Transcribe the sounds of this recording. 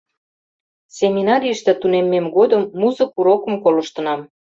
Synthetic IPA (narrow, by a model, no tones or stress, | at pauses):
sʲemʲinɑɾʲijəʃt̪ĕt̪unemːemɡod̪əmːuzɤ̆kuɾokə̆mkolɤ̆ʃt̪ɤ̆nɑm